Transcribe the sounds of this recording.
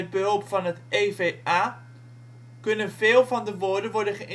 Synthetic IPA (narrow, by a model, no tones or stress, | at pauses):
ɛd̚bəɦɵlˠpfɑnɦətʔejvejaː | kɵnənveːlˠvɑndəʋoːɹdənʋɔɹdənχəʔɪ